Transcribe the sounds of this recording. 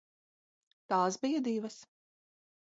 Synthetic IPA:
t̪aːsbijɐd̪iːvɐs

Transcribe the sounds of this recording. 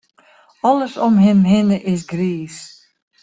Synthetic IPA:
ɔləsɔmɦɪmɦɪnəʔɪsɡriːs

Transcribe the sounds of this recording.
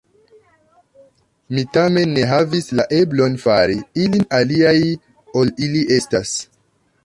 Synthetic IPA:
mitame̞nːe̞ɦavislaʔe̞blo̞nfaɾiilinaliaj | o̞liliʔe̞stas

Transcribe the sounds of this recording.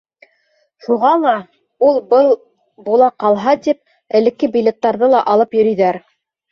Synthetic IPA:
ʃuʁɑlˠɑ | ulˠbɤlˠ | bulˠɑqɑlˠɦɑt̪ip̚ | ɘ̆lɘ̆kːɘbʲilʲet̪ːɑɾðɤlˠɑʔɑlˠɤpjɵ̆ɾɵ̆jðæɾ

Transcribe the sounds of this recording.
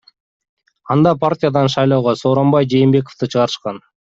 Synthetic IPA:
ɑnd̪ɑpʰartʲɪjad̪ɑnʃɑjlˠoːʁoso̞ːɾo̞mbɑjd͡ʒeːmbe̞k̬oft̪ɯt͡ʃʰɯʁɑɾɯʃqɑn

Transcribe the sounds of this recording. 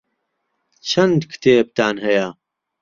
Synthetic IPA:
t͡ʃʰɐnd̪kʰɨ̥t̪ʰeːb̚t̪ʰaːnɦɐja

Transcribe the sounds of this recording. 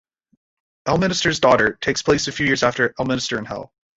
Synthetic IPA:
ɛlˠmɪ̃ñɨstə˞zdɔɾə˞tʰeɪkspʰl̥eɪsɨfjʉjɪɹzæftə˞ɛlˠmɪ̃nɨstə˞ɨ̃nhɛ̰lˠ

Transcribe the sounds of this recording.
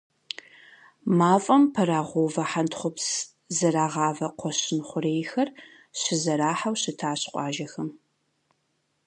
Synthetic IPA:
maːfʼɐmpʰɐɾaːʁʷovɐħantχʷʊps | zɐɾaːʁɑːvɐqʷɔɕɪnχʷʊɾeːjxɐr | ɕɪzɐɾaːħawɕɪtʰaːɕqʷʼɑːʒɐxɐm

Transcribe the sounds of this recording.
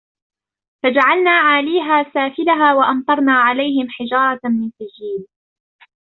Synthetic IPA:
fad͡ʒaʕalnaːʕaːliːɦaːsaːfɪlaɦaːwaʔɑmt̪ˤɑɾˤnaːʕalajɦɪmħɪd͡ʒɑːɾˤɑmɪnsad͡ʒiːl

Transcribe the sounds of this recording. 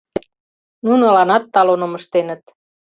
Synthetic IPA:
nunolɑnɑt̪ːɑlonomə̆ʃt̪enə̆t̪

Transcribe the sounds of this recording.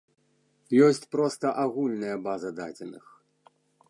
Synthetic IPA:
jɔsʲt͡sʲpɾɔst̪ɐʔaɣulʲnɐjɐbazɐd̪ad͡zʲɛnɨx

